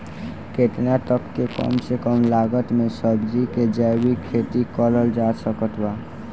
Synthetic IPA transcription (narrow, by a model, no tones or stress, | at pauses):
ket̪nat̪əkːekɔ̰msekɔmlaːɡət̪mẽsəbd͡ʒiked͡ʒɛwikʰeːt̪ikɔləld͡ʒaːsəkət̪wa